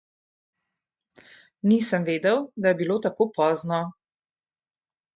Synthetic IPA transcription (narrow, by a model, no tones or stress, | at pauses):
nisəmʋeːd̪ɛwd̪ajɛbiloːt̪akoːpɔːznɔ